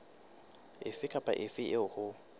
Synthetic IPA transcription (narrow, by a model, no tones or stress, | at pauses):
ɪfɪkʰʼapʼa̰ʔɪfɪɪʊχʊ